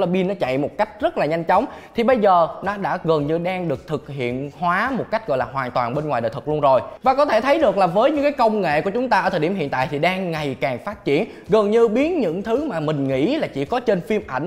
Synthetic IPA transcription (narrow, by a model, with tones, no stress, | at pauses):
la˧ɓi˧nɔ˨˦t͡ɕa̰˧˨jmo˨˩t̚ka˦˥jk̟̚zə˦˥t̚laː˨˩ɲa˧jŋ̟t͡ɕɔ˨˦wŋ͡mt̪ʰi˨˩ɓə˧jzəː˨˩nɔ˨˦ɗa̰ː˧˥ɣə˨˩nɲɨ˧ɗaː˧ŋɗɨ˨˩ək̚t̪ʰɨ˨˩k̚hḭ˧˨ənhwaː˨˦mo˨˩t̚ka˦˥jk̟̚ɣɔ̰˧˨jlaː˨˩ɦwaː˨˩nt̪waː˨˩nɓe˧nŋwaː˨˩jɗəː˨t̪ʰɨ˨˩k̚lu˧ənzo˨˩jvaː˨˩kɔ˨˦t̪ʰe˧˩t̪ʰə˨˦jɗɨ˨˩əklaː˨˩vəː˨˦jɲɨ̰˧˥ŋkaː˨˦jkə˧wŋ͡mŋḛ˧˨ku˧˩ət͡ɕʊ˨˦ŋ͡mt̪aː˧ʔəː˧˩t̪ʰəː˨˩ɗi˧˩əɦḭ˧˨ənt̪a̰ː˧˨jt̪ʰi˨˩ɗaː˧ŋːa˨˩jkaː˨˩ŋfaː˦˥t̚t͡ɕḭ˧˩ən | ɣə˨˩nɲɨ˧ɓi˨˦ənɲɨ̰˧˥ŋt̪ʰɨ˨˦maː˨˩mï˨˩ŋ̟ŋḭ˧˥laː˨˩t͡ɕḭ˧˥kɔ˨˦t͡ɕe˧nfi˧əmʔa˧˩jŋ